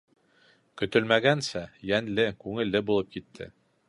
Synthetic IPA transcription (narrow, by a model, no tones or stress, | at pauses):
kɵ̆t̪ɵlmæɡænsæjænlɘkʉŋɘ̆lːɘbulˠɤp̚kit̪ʰːɘ̰